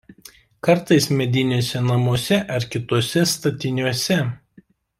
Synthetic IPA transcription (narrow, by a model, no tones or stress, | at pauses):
kɐɾt̪ɐɪsmʲɛd̪ʲɪnʲuɔsʲɛnɐmuɔsʲɛʔɐɾkʲɪt̪uɔsʲɛst̪ɐt̪ʲɪnʲuɔsʲɛ